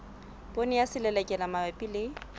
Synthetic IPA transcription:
bʼonɪjasɪlɛlɛkʼɛlamawɛpʼilɪ

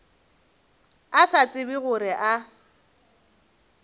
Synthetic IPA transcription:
asat͡sʼɪbɪɣʊɾɪʔa

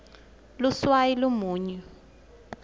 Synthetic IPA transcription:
luswajilumuːɲɛ

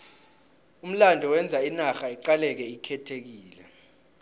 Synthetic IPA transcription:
um̩landʱɔwɛnd͡zʱainaxaiǃalɛk̬ɛikʰɛtʰek̬iːlɛ̰

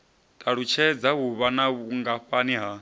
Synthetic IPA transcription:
tʼaɺut͡ʃʰɛd͡zaɦuβanaβuŋɡaɸaniɦa

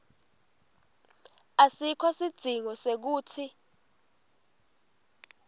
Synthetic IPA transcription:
asikʰɔsid̥ʱiŋɔsek̬uːtʰi

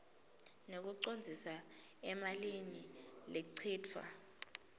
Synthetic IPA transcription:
nok̬uǀond͡zʱisaɛmalinileǀʰiːtʰwa̰

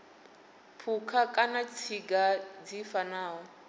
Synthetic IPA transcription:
pʰukʰakʼanat͡sʰiɡad͡zifanaːɦɔ

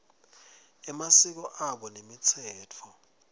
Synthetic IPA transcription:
ɛmasik̬ɔʔaɓɔnemit͡sʰɛːtʰɔ

